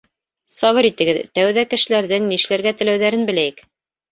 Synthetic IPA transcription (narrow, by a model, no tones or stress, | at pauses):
sɑβɤɾit̪ɘ̆ɡɘðt̪æwðækɘ̆ʃɘ̆læɾðɘŋniʃlæɾɡæt̪ɘ̆læwðæɾɘnbɘ̆læjɘk